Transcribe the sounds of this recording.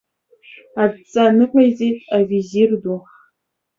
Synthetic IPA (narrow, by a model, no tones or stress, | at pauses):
at͡sʼanɨqʷʰʼajzejtʼavizirduχ